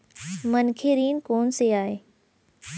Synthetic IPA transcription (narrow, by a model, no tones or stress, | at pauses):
mɐnkʰeɾiːnkoːnseaːɦeː